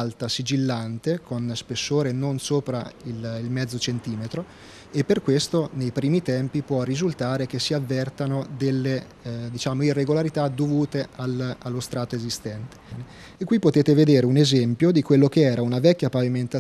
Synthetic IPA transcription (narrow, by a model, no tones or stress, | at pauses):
lt̪asid͡ʒilːant̪ekonspesːoːɾenonsoːpɾaililmɛd̪zːot͡ʃent̪iːmet̪ɾo | epːerkwest̪onejpɾiːmit̪ɛmpipwɔrːizult̪aːɾek̟esːiavːɛrt̪anod̪elːe | d̪it͡ʃaːmoirːeɡolaɾit̪ad̪ovuːt̪ealalːost̪ɾaːt̪oezist̪ɛnt̪e̥ne | ekːwipːot̪eːt̪eved̪eːɾeunezɛmpjod̪ikwelːok̟eɛːɾaunavɛkʲːjapaviment̪a